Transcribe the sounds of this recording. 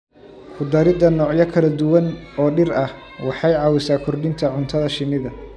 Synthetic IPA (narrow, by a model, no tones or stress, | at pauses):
kʰʊd̪ɐɾɪd̪ɐnɔːʕjɐkʰɐlɐd̪ʊwɐnɔːɖɪɾɐh | wɑħɑjʕɑːwɪsaːkʰɔrɖɪnt̪ʰɐʕʊnt̪ʰɐðɐʃɪnːɪðɐ